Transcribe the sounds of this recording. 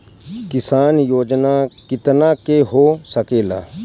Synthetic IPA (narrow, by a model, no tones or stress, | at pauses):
kɪsaːnjoːd͡ʒnakɪt̪nakeɦosəkeːla̰ː